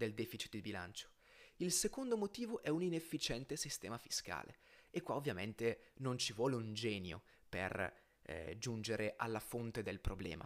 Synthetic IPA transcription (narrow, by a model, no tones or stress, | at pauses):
d̪eld̪ɛːfit͡ʃi̥t̪̚d̪ibila̰nt͡ʃo̥ | ilsekond̪omot̪iːvoʔɛuninefːit͡ʃɛnt̪esist̪ɛːmafi̥ska̰ːlʔḛekːwaovːjament̪enont͡ʃivwɔːleund͡ʒɛːnjo̰ | pḛr | d͡ʒund͡ʒeɾeʔa̰lːafont̪ed̪elpɾoblɛ̰ːmʔa̰